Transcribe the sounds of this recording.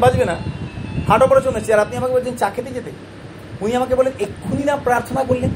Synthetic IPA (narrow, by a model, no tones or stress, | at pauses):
bad͡ʑbenapʰaʈopɔɾat͡ɕonːat͡ɕʰiaɾap̚niamakebɔlt͡ɕʰent͡ɕakʰet̪ed͡ʑet̪e | uniamakebɔlenekʰːuninapɾaɾt̪ʰonakoɾlen